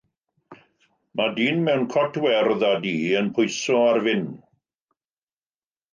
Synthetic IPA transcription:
madiːnmɛwnkʰɔtʰwɛrðadiːənpʰʊjsɔarvɪn

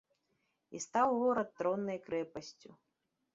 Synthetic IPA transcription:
ḭst̪awɣɔɾɐt̪ːɾɔnːɐjkɾɛpɐsʲt͡sʲu

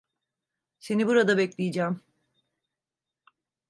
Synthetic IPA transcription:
se̞nibuɾad̪abɛclʲijid͡ʒæːm

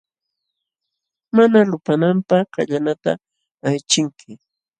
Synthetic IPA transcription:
manalʊpanampaχkaʎanat̪a̰ː | jt͡ʃɪŋkʰɪ

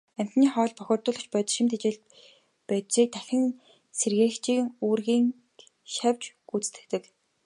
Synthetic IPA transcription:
æm̥ʲt̪niːχɔːɮpɔxʲɔːrt̪ʊːɮɞ̆xt͡ɕpœt̪ʃɪ̆mt̪ʰet͡ɕeːɮ | pæːt̪ʃiːk̚t̪ʰæxʲɘ̆ŋ | serɣeːxt͡ɕiːŋuːrɣiːŋ | ʃawʲt͡ɕ | ut͡st̪ɘ̆kt̪ɘ̆k

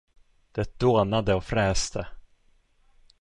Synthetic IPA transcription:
d̪̥ɛt̪̚d̪̥oːnad̪əɔfɾɛːst̪ʰə

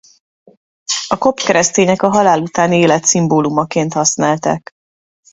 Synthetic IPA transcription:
ɒko̞pkɛɾɛst̪eːɲɛkɒɦɒlaːlut̪aːnieːlɛt̪simboːlumɒkeːnt̪hɒsnaːlt̪a̰k

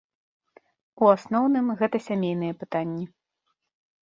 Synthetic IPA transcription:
uasnɔwnɨmɣɛt̪ɐsʲamʲejnɨjɛpɨt̪anʲːi

